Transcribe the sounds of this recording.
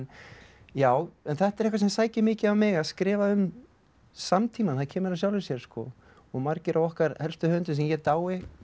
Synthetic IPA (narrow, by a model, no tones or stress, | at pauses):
n | jaːwɛnθɛht̪ɛɾɛhkvas̬ɛmsaːjcɪmɪːcɪavmɪɣaskɾɪːvaʏm | samt̪ʰiːmanθaðcʰɛːmʏɾawsjawlɪsjɛɾ̥skɔ̰ | ɔɣmaɾcɪɾʔawɔhkaɾhɛl̥st̪ʏhœːʏnt̪ʏs̬ɛmjɛt̪aːwɪ